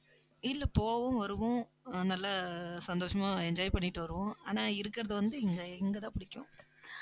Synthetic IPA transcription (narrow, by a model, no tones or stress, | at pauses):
ɪlːɛpoːʋʊ̃ʋɐɾɯʋʊ̃ | nɐlːɐsɐnd̪oːʂɐmaːɛɲd͡ʒaːjpɐɳːɪʈːɯʋɐɾɯʋʊ̃aːnaːɪɾɯkːɪɾɐðɯʋɐnd̪ɯɛŋɡɐɛŋɡɐt̪ãːpɪɽɪkʲːʊ̰̃